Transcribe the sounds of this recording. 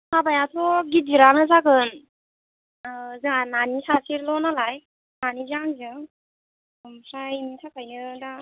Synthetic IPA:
sʰabajatʰɔɡidiɾanɯzaɡɯn | zɯŋananisasiɾlɔnalaj | nanizaŋzɯŋ | mpʰɾajmitʰakʰajnɯda

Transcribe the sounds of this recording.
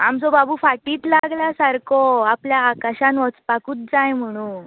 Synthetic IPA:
amt͡sobabʱuːfaʈiːt̪laɡlasaɾkoapljaːkaɕãnʋɔt͡spakuːt̪̚d͡zajm̤əɽ̃ũː

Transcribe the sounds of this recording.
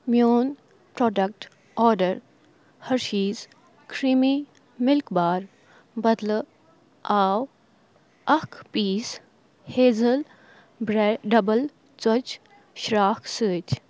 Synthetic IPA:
mjoːn | pɾɔːɖɐk̚ʈ | ɔːɾɖəɾ | hɐɾʃiːz | kʰɾimi | mɪlkbaːɾ | bɐd̪lə | aːw | ɐkʰpiːs | heːzɐl | bɾeɖɐbəl | t͡sɔt͡ʃ | ʃɾaːksəːt͡ʃ

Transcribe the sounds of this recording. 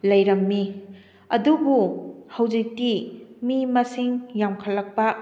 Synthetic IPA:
lɐjɾɐmːi | ɐdubuhɐwd͡ʒik̚timimɐsiŋjamkʰɐlːɐk̚pɐ

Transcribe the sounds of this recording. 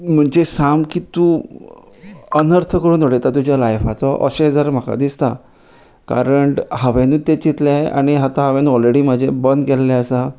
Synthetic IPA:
m̤əɳd͡ʑesamkiːt̪u | ənəɾt̪ʰəkəɽuːnəɽet̪at̪̬ud͡ʑjalajfat͡sɔʔə̰ɕeɦəd͡zaɾm̤əka̰d̪ist̪a | ka̰ɾəɳʈhəʋenuːt̪et͡ɕit̪laa̰ɽ̃iɦat̪aɦəʋenuɔlɾeɽiːm̤əd͡ʑʱebənd̪kɛlːɛəsa

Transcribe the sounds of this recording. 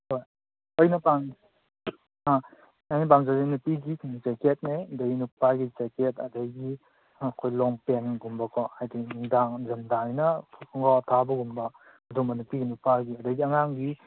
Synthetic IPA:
hoj | ɔjnɐpaŋ | a | ajnɐp̬aŋzadinupiɡizeket̚nedejinupaɾɡizeketɐdəjɡi | ɐkʰojlɔŋpenɡumbɐkʰɔajdinuŋdaŋzɐmdaŋnɐŋɡɔtʰabɐɡumbɐ | ɐdumɐnupiɡinupaɾɡiɐdəjɡiɐŋaŋɡi

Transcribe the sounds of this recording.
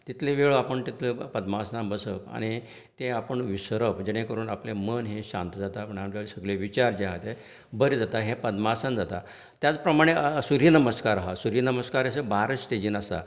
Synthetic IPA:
t̪it̪ʰlẽʋeɭoapəɳt̪it̪ʰləpəd̪masnãbəsəpa̰ɽ̃i | t̪ẽapəɳʋisɾəpd͡ʑeɽ̃ẽkəɾuːnaplemənɦẽɕã̰nt̪əd͡zat̪apəɳamt͡ɕaɭisəɡɭeʋit͡ɕaɾd͡ʑeɦat̪e | bəɾid͡zat̪aɦẽpəd̪masand͡zat̪a | t̪jat͡spɾəmaɽ̃esuɾjənəməskaɾaɦasuɾjənəməskaɾəsebaɾəst̪ed͡ʑiːnasa̰

